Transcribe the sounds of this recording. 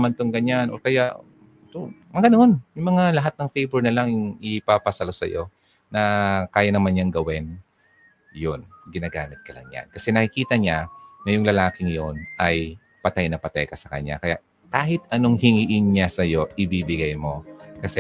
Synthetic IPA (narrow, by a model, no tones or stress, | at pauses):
mant̪oŋɡɐɲanʔo̰kɐjaʔ | ɛt̪omɐɡɐnoʔonjʊŋmɐŋalɐɦat̪̚nɐŋfejboɹnɐlaŋjʊŋɪpapɐsɐlosɐ̰jo̞ | nɐkaːjɐnɐmanɲaŋɡɐwɛn | jonɡɪnaːɡaːmɪt̪̚kɐla̰ŋɲa̰nkɐsɛnɐkɪkiːt̪ɐɲaŋɐjʊŋlɐlaːkɪŋjo̞nʔɐj | pɐt̪ajnɐpɐt̪a̰jkɐsɐkɐ̰ɲːa̰kɐja̰ʔ | kaːɦɪt̪̚ʔɐno̞ŋhɪŋiʔɪnɲasɐjo̞ʔɪbibɪɡajmo̞kɐsɛ